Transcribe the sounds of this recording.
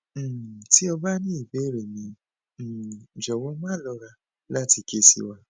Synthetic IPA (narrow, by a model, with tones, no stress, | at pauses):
ti˦ɔ˧ba˦nĩ˦i˨be˨˦˨ɾe˨mĩ˨˦˨ | d͡ʒɔ˨wɔ˧˦mãː˦lɔ˧ɾa˧ | la˦ti˧ke˧˦sḭ˧wa˦˧